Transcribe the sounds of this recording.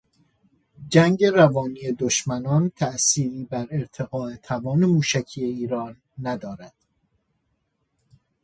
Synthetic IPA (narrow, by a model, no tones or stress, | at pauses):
d͡ʒæŋɟe̞ɾævɒːniːjed̪oʃmænɒːnt̪ʰæʔsiːɾiːbæɾeɾt̪ʰe̞ɣɒːe̞t̪ʰævɒːne̞muːʃæcʰiːjeiːɾɒːnː | æd̪ɒːɾæd̪̥